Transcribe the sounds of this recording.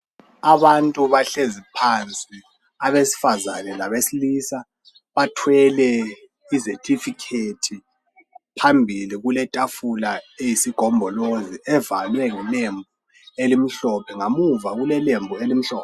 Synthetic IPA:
aβantʼuβaɬezipʰant͡sʼi | aβesi̥faza̰nɛlaβesiliːsa | βatʰwɛlɛ | isetʰifikʰetʰi | pʰambʱiliɣulɛtʼafulaejisiɡ̥ʱɔmbʱɔloziʔɛva̰lwɛŋilembʱu | elim̩ɬɔpʰɛŋamuvaɣulɛlembʱuelim̩ɬɔ̰ːpɛ

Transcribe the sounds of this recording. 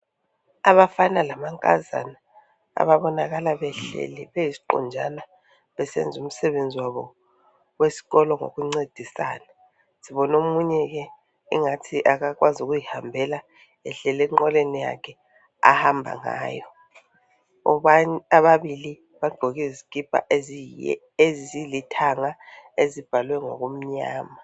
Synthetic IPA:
aβafanalamaŋkʼa̰za̰na | a̰βaβɔnaɣalaβɛɬɛ̰lɛβejisi̥ǃɔ̰nd͡ʒʱana | βɛsɛ̰nd͡zʱum̩sɛβend͡zʱiwaβɔ̰ | wesi̥ɣɔlɔŋo̰ɣuŋ͡ǀed̥ʱisa̰ːna | siβɔnomuɲɛɣɛ | ḭŋatʰiʔakak̬wazuk̬ujihambʱɛla | ɛɬɛlɛŋ͡ǃɔlenija̰kʰɛ | a̰hambʱa̰ŋa̰ːjɔ | ɔaaɓaɓili | βaɡ͡ǃʱoɣiziɡ̥ʱib̥ʱa̰z | ezizilitʰaŋaezib̥ʱalwɛŋo̰ɣ̬um̩ɲa̰ːma

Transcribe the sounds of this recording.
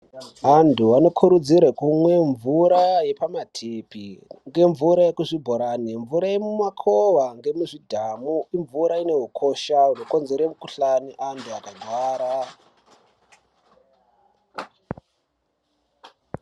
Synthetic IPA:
anduano̞kʰuɾud͡zirwekumwe̞ɱvuɾaje̞pamatʰipiŋɡe̞ɱvuɾaje̞kuʐibʱoɾaniɱvuɾaje̞mumakʰoʋaŋɡe̞muʐidʱamuiɱvuɾaine̞ɦukʰo̞ʃauno̞ko̞nze̞ɾemukuɬaniʔantʰuakadwaːɾa

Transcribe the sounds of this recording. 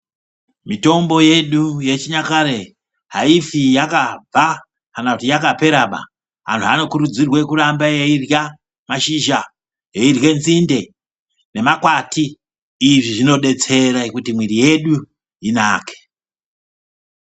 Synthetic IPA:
mito̞mbo̞je̞ɗuje̞t͡ʃiɲakaɾe̞ | ɦaifijakab͡va | kanakutijakape̞ɾaɓa̰ | ɦa̰ntʰuano̞kuɾud͡zirwe̞kurambajeirja | maʃiʒa | je̞irje̞nzinde̞ | ne̞makwatiː | ʐiʐino̞ɗe̞t͡se̞ɾaekutimwiɾije̞ɗu | inaːke̥

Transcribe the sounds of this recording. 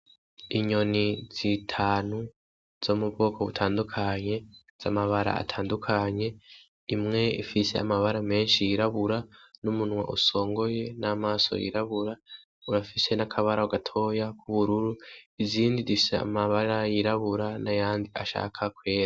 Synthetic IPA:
iɲo̞niz̥itʰaːnu | z̥omubɡo̞ːkʰoβṵtʰaːndukʰaɲe̞ | z̥a̰maβaɾa̰a̰tʰaːndukʰaɲe̞ | imŋe̞ifise̞a̰maβaɾame̞ːnʃijiɾaβuɾanumunwa̰ʔuso̞ːŋɡo̞je̞namaːso̰jḭɾaβuɾa | uɾafise̞nakʰaβaɾauɡatʰo̞ːjakʰuβuɾuɾuiziːndizifisḛa̰maβaɾajiɾaβuɾanajaːndiaʃa̰ːkʰakwe̞ːɾa

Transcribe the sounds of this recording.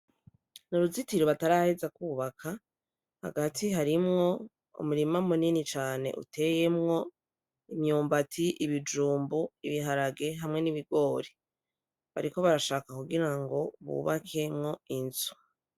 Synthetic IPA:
nuɾuzitiɾoβataɾahezakuːβakʰa | ha̰ɡatʰiɦaɾimŋo̞ | ṵmuɾimamuninit͡ʃaːne̞̰ʔṵtʰe̞je̞mŋo̞ | imɲuːmbatʰiʔiβid͡ʒuːmbuiβiɦaɾaɡe̞ɦamŋe̞niβiɡo̞ːɾe | βaɾiko̞βaɾaʃaːkakuɡiɾaŋɡo̞βṵːβakʰe̞mŋo̞inz̥u̥

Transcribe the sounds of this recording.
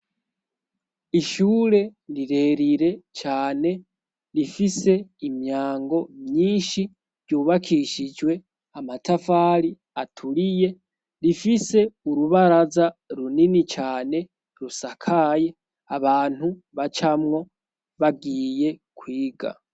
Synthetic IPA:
iʃuːɾe̞ɾiɾe̞ɾiɾe̞t͡ʃaːne̞ | ɾifise̞imɲaːŋɡo̞mɲiːnʃi | vɟuːβakʰiʃid͡ʒwe̞ | amatafaːɾi | atʰuɾije̞ | ɾifise̞uɾuβaɾazaɾuninit͡ʃaːne̞ | ɾusakʰaje̞ | aβaːn̥u | βat͡ʃamŋo̞ | βaɡiːje̞kwiːɡa̰

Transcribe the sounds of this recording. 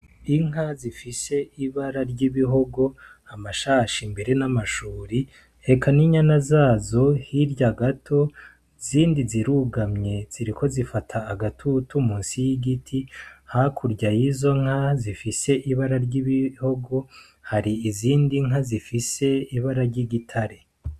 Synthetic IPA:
iŋ̥ɦazifise̞iβaɾaɾɟiβiɦo̞ɡo̞amaʃaʃimbe̞ɾe̞namaʃuːɾi | e̞kaniɲanazaːzo̞hiɾɟaɡatʰo̞ | ziːndiziɾuɡamɲe̞z̥iɾiko̞zifatʰaːɡatʰutumuːnsijiɡitʰihakʰuɾɟajizo̞ŋ̥hazifise̞ʔiβaɾaɾɟiβiho̞ɡo̞ | haɾiːziːndiŋazifise̞iβaɾaɾɟiɡitʰaɾe

